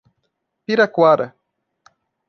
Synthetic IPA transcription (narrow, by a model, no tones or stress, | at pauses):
piɾakʷwaɾa̰